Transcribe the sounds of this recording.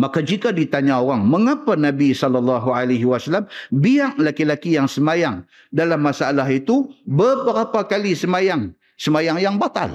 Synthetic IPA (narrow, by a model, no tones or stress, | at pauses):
makad͡ʒikadit̪aɲaoɾaŋməŋapanabisɔlːɔlːɑɦualajɦiwasalːambiaŋlakilakijaŋsəmajaŋ | dalamːasaalaɦit̪ubəbəɾapakalisəmajaŋ | səmajaŋjaŋbat̪a̰l